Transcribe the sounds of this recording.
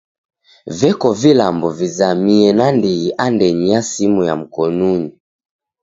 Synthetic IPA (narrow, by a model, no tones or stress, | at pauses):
vɛkɔvilambɔvizamiɛnandiiʔandɛɲiasimuja̰m̩kɔnuɲi